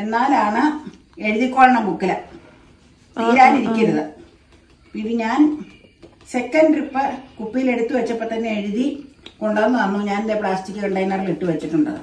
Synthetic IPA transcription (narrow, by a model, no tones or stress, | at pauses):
e̞nːaːlaːɳɨ | e̞ɻuðikʲːoːɻɐɳɐmkukːilɐ | t̪iːɾaːniɾikʲːɐɾɐðɨ | piʋiɲaːn | se̞kːɐnɖripːɐkupːijile̞ɽut̪ːɨʋɐt͡ɕːɐpːɐʈ̪ːɐnːeeɻuðiko̞ɳɖaːnːɐɐmːoːɲaːnind̪epɭaːstikʲːɨeɳɖɐjnːɐriliʈːɨʋɐt͡ɕːiʈːuɳɖɐ̰ðɨ̰